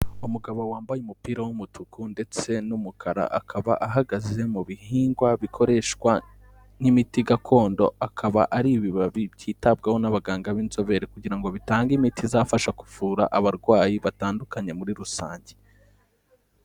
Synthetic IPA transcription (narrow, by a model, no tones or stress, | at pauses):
umuɡaβo̞waːmbajumupiːɾawumutukunde̞t͡se̞numukʰaɾa̰ʔakʰaβa̰ʔaɦaɡaze̞muβihiːŋɡwaβikʰo̞ɾe̞ʃkwa | nimitiɡakʰo̞ːndo̞̰akʰaβa̰ʔaɾiβiβaβibjiːtab̚ɡaho̞naβaɡaːŋɡaβinzo̞βe̞ɾekuɟiɾaŋɡo̞βitaːŋɡimitʰizafaʃaku̥vuːɾa̰ʔaβaɾɡwaːjiβataːndukaɲe̞muɾiɾusa̰ːɲɟe